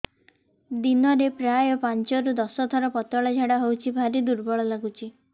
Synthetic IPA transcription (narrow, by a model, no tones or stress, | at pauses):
d̪inɔɾepɾajɔpant͡ʃɔɾud̪ɔsɔt̪ʰɔɾɔpɔt̪ɔɭɔd͡ʒʱaɽaɦowt͡ʃʰibʱaɾid̪uɾbɔɭɔlaɡut͡ʃʰi